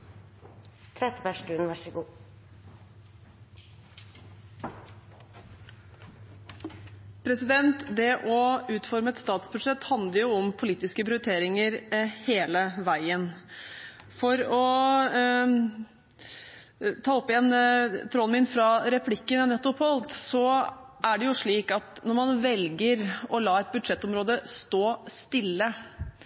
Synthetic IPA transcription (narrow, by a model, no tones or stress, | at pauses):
t̪ʰɾɛt̪ːəpæʂʈʉːnʋæʂəɡuː | pʰɾɛsɪd̪ɛnt̪d̪ɛʔɔʉːt̪fɔɾməɛt̪st̪ɑːt̪sbʉd̪ʂɛt̪ːhɑnd̪əɾjʊɔmpʰʊliːt̪ɪskəpʰɾɪʊt̪ʰeːɾɪŋəɾheːləʋæɪən | fɔɾɔ | t̪ʰɑːɔpːɪɛnt̪ʰɾɔnmɪnfɾɑɾɛpʰlɪkːənənɛt̪ːʊpʰɔlt̪sɔʔæɖɛjʊʂɭiːkɑt̪nɔɾmɑnʋɛlɡəɾɔlɑːɛt̪̚bʉd̪ʂɛt̪ːɔmɾoːd̪əst̪oːst̪ɪlːə